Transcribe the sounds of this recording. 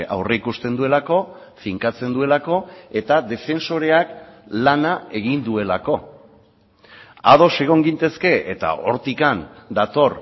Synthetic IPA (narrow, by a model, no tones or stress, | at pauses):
ʔa̰wreikust̪e̞nd̪ue̞lako̞ | fiŋkat͡se̞nd̪ue̞lako̞e̞t̪aðe̞fe̞nso̞ɾe̞aklanae̞ɣ̞ind̪ue̞lako̞ | a̰ð̞o̞se̞ɣ̞o̞ŋɡint̪e̞ske̞et̪a̰ʔo̞ɾt̪ikand̪at̪o̞r